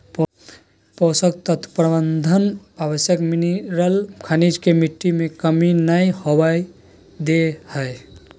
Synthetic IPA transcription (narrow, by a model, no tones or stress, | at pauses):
p | pɔsək̚t̪ət̪ʰpɾəbənd̪ʱənabəsjəkminiɾəlkʰanid͡ʒkemiʈːimekəminəjhobaj | d̪ehəe